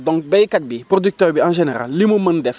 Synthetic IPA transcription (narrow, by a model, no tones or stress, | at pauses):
dɔ̃ŋk̚bɛjkat̚bipɾodyk̚tøɾbiãnʒeneɾa̰lːimuməndɛf